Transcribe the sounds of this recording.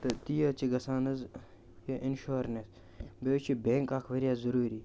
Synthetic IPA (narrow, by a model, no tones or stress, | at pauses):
t̪ɐt̪ijɐt͡ʃʰiɡɐsaːnɐz | jɐʔinʃoːɾnes | beːwt͡ʃʰibeŋkaːkʰʋɐɾjaːzɐɾuːɾiː